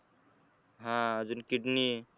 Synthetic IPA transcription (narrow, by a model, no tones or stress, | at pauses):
ɦãd͡ʒunkiʈni